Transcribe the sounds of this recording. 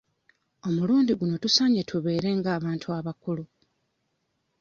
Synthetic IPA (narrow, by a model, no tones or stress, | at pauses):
o̞muluːndiɡuno̞tusaɲetʰuβe̞ːɾe̞ŋɡaːβaːntʰuaβakulu